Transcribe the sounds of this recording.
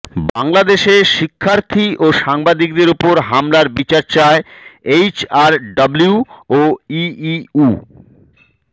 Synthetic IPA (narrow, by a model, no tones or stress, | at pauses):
baŋlad̪eʃeʃikʰːaɾt̪ʰiʔoʃaŋbad̪ik̚d̪eɾopoɾɦamlaɾbit͡ɕaɾt͡ɕaeejt͡ɕaɾɖabliuoiiu